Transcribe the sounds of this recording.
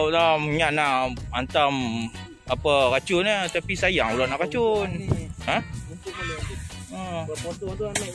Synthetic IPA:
wlaɲaʔnaʔant̪am | apakat͡ʃʊnat̪apisajaŋulaʔnaʔkat͡ʃʊnhã | ə

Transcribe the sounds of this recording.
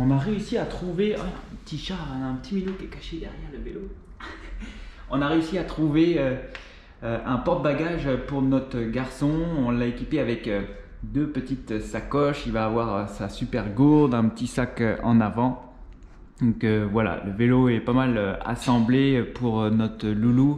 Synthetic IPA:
ɔ̃naʁeysiat̪χuvḛɛ̃pə̥t̪iʃaʁɛ̃aɛ̃pət̪iminokiɛkaʃed̪ɛʁjɛʁləvelo | ɔ̃naʁeysiat̪χuveø | øɛ̃pɔʁd̪̚baɡaʒøpuʁnɔt̪χəɡaʁsɔ̃ɔ̃laekʲipeavɛkø | d̪øpət̪it̪sakɔʃilvaːvwaʁøsasypɛʁɡuʁd̪ɛ̃pət̪isakøɑ̰̃navɑ̃ | d̪ɔ̃køvwala̰ləveloɛpamaløa̰sɑ̃blepuʁønɔt̪χəlulu

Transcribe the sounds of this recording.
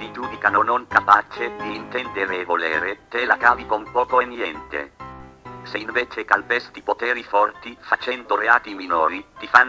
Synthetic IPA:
t̪id͡ʒuːd̪ikanonoŋkapat͡ʃed̪iːnt̪ɛnd̪eɾeːvolḛːɾet̪elakaːvikompɔːkoenjɛnt̪ḛ | seiɱveːt͡ʃekalpɛst̪ipot̪ɛːɾifɔrt̪ifat͡ʃɛnd̪oreaːt̪iminoːɾit̪ifan

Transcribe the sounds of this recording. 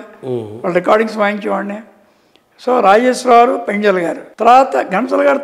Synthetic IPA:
ʋaːlːɐɾikaːɾɖiŋsmaːjiɲt͡ʃiʋaːɳne | soːɾaːd͡ʒesɾaːɾupeɲd͡ʒɐlɐɡaːɾut̪ɐɾaːt̪ɐɡʱɐnɐsɐlɡaːɾu

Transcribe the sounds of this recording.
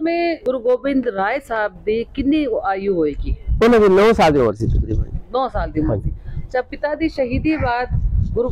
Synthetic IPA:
mẽːɡʊɾɡoːbɪnd̪ɾaːjsaːb̚d̪iːkɪnːiːaːijũɦoːeːkiːʊnãd̪inɔːsaːld̪ioʋəɾsiːt͡ʃʊkɾḭːmə̰nɔːsaːld̪iːmə̃d̪iːt͡ʃaːpɪt̪aːd̪iːʃəɦiːd̪iːbaːt̪ɡʊɾ

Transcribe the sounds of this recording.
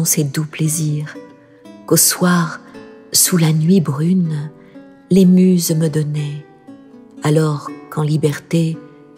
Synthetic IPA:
ɔ̃sed̪upleziʁ | koswaʁsulanɥibʁyn | lemyzməd̪ɔnɛ | alɔʁkɑ̃libɛʁt̪e

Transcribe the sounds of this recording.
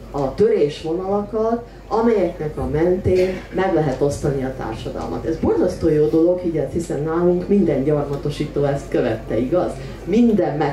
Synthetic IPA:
ɒt̪ø̞ɾeːʃʋo̞nɒlɒkɒt̪ | ɒmɛjɛknɛkɒmɛnt̪eːnmɛɡlɛɦɛt̪o̞st̪ɒniɒt̪a̰ːrʃɒd̪ɒ̰lmɒ̰t̪ɛzbo̞rzɒst̪oːjoːd̪o̞lo̞ɡhiɟɛst̪hisɛnnaːluŋkmind̪ɛɲɟɒrmɒt̪o̞ʃiːt̪oːɛst̪køvɛt̪ːɛiɡɒz | mind̪ɛmmɛ

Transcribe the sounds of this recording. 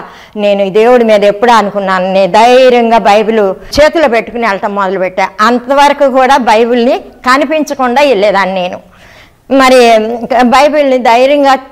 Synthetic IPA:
ne̞ːnud̪e̞ːwuɽimiːd̪ɐepːuɽuɐnukunːaːnned̪ɐjɾɐŋɡaːbɐjbulut͡ʃe̞ːt̪uloːpe̞ʈːu̥kuniɛlɐʈɐmːɔd̪ɐlupeʈːaːɐnt̪ɐʋɐɾɐkuːkuːɽaːbɐjbulnikɐnipiɲt͡ʃɐkuɳɖaːilːeːd̪aːnine̞ːnu | mɐɾibɐjbulnid̪ɐjɾɐŋɡaː

